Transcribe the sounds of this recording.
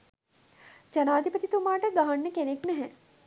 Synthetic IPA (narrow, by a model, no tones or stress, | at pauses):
d͡ʒɐnaːd̪ʱipət̪it̪umaːʈəɡaɦanːəkeneknɛɦɛ